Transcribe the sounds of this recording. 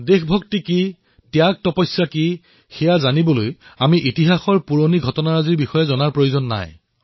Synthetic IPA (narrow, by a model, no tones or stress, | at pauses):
dexbʱok̚tiki | tjak̚tɔpɔjsaki | xɛjazanibolojamiʔitiɦaxɔɹpuɹoniɡʱɔtɔnaɹaziɹbixɔjɛzɔnaɹpɹojozɔnːa̰j